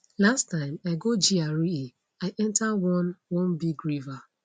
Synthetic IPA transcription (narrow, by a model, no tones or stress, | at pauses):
lastãɪ̃maɪɡod͡ʒiaɹii | aɪʔɛ̃ntawɔ̃nwɔ̃nbiɡɹiva